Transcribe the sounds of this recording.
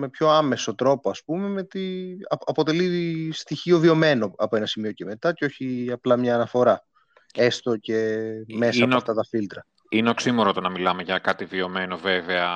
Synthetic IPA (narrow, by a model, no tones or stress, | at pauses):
me̞pço̞ɐme̞so̞t̪ɾo̞poɐspume̞met̪iɐɐpo̞t̪e̞list̪içio̞vio̞me̞noɐpoenɐsimio̞ce̞me̞t̪ɐceo̞çiɐplɐmɲɐːnɐfo̞ɾɐ | e̞st̪o̞ce̞me̞sɐɐnft̪ɐt̪ɐfilt̪ɾɐ | ineoksimoɾot̪onɐmilɐmeʝɐkɐt̪ivio̞me̞noveveɐ